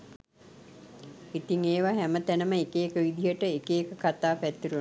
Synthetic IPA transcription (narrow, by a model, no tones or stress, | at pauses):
it̪iŋeːʋaɦɛmət̪ænəməekeːkəʋid̪iɦəʈəekeːkəkat̪aːpæt̪ːiɾu